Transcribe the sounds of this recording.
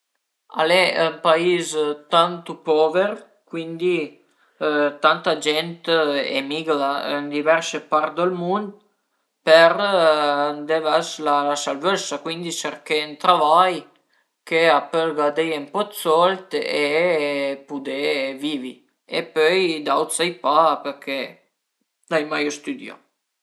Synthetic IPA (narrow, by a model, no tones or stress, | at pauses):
a̰lɛəmpaizt̪ant̪upɔvəɾ | kwind̪i | t̪ant̪ad͡ʒɛnt̪ḛmiɡlaənd̪ivɛɾsəpaɾt̪d̪əlmund̪ | pəɾ | d̪evɛslalasalvøsakwind̪it͡ʃəɾkent̪ɾavaj | keapɛlɡad̪ejəmpɔt̪sɔlt̪e | pud̪evivi | ḛpøjd̪awt̪sajpapəɾkʰe | najmajɔst̪yd̪ja̰